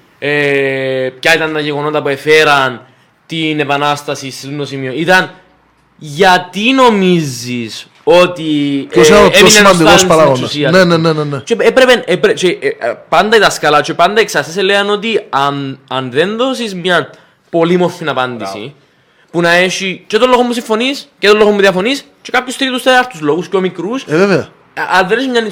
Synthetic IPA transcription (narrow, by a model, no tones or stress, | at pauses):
e | pcɐit̪ɐnt̪ɐʝeɣo̞not̪ɐpue̞feɾɐn | t̪ine̞pɐnɐst̪ɐsist̪et̪unt̪osimioit̪ɐn | ʝɐt̪ino̞mizːis | o̞t̪ioeoinemɐnd̪ik̪ospɐɾaoɐsiɐnenenenenet͡ʃeepɾe̞penepɾet͡ʃepɐnd̪ɐit̪ɐskɐlɐt͡ʃepɐnd̪ɐeksɐseseleɐno̞t̪iɐnɐnðenðo̞sismɲɐ | po̞limo̞fːinɐpɐnd̪isḭ | punɐe̞ʃit͡ʃet̪olːoɣomːus̬iɱfo̞niscet̪olːo̞ɣomːuðiɐfo̞nis | t͡ʃekapçost̪ɾit̪ust̪eɐft̪uzlo̞ɣusceomikɾusveveɐ | ɐnðenesimɲɐni